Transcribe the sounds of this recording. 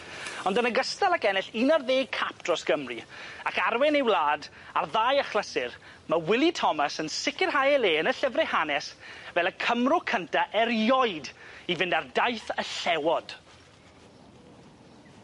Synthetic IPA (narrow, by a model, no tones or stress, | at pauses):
ɔndənəɡəstalˠakɛnɪɬinarðeːɡ̚kʰap̚d̥rɔsɡ̥əmriakarwɛnɪwlˠaːd | arðaːjəχlˠəsɪr | mawɪlˠitʰɔmasənsɪkɪrɦajɛleːənəɬəvrɛhanɛsvɛlˠəkʰəmrʊkʰəntʰaʔɛrjɔɨdivɪndardajθəɬɛwɔd̥